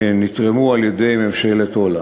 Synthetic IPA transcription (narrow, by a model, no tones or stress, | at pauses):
nit̪ʁemualjed̪e̞jmemʃelet̪ola